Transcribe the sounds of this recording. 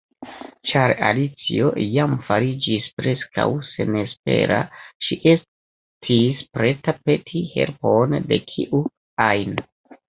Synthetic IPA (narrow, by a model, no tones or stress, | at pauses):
t͡ʃaɾa̰lit͡siojamfaɾid͡ʒispɾe̞ska̰wse̞̰nespe̞̰ɾa̰ʃiʔe̞s | tʰispɾe̞tape̞tʰihe̞̰lponde̞kʰiʔu | ajn